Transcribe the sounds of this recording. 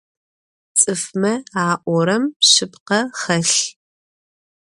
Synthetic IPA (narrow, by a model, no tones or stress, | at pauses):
t͡sʼɨfmɐaːʔʷɔɾɐmɕɪpqɐχɐɬ